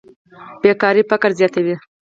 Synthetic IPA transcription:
b̥ekɑɾifakaɾzjɑt̪awi

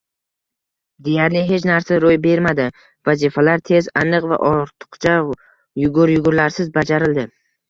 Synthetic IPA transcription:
d̪e̞jaɾlɪɦe̞t͡ʃnaɾsaɾojbe̞ɾmad̪ɪ | vazifalaɾt̪ʰe̞zanɨqva̰ʔɒɾt̪ʰɨ̥qt͡ʃʰa | jʊɡʊɾjʊɡʊɾlaɾsɪzbad͡ʒaɾɪld̪ɪ

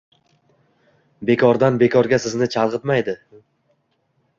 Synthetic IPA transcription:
be̞kʰɒɾd̪anbe̞kʰɒɾɡʲasɪznɪt͡ʃʰalˠʁɨt̪majd̪ɪ

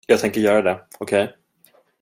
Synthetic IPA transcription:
jɑːɡ̚t̪ɛŋkəɾjœːɾad̪ɛɔkʰɛj

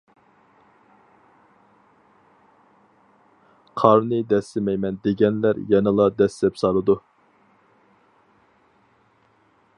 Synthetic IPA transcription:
qʰɑɾnɨd̪ɛsːɪmɛjmɛnd̪eɡʲɛnlæɾjɛnɨlˠɑd̪ɛsd̪ɛpsɑlˠɨd̪u

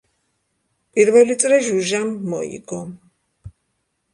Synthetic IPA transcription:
pʼiɾvɛlit̪sʼɾɛʒuʒamːɔ̰ḭɡɔm

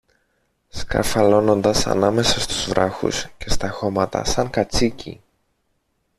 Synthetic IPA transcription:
skɐ̰fɐlo̞no̞nd̪ɐsɐ̰nɐme̞sɐst̪uzvɾɐxṵsce̞st̪ɐxo̞mɐt̪ɐ̰sɐŋkɐt͡sicḭ

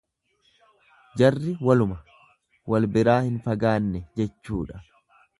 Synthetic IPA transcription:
d͡ʒɐrːɪwɐlʊmɐ | wɐlbɪɾaːhɪnfɐɡaːnːɛd͡ʒɛt͡ʃːṵːᶑɐ̥

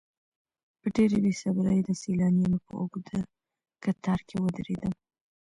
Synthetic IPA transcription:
pəɖeɾelesabɾəjd̪əselɑnjenopə̰o̰ɡd̪ə | kat̪ɑɾkʰewəd̪ɾed̪əm

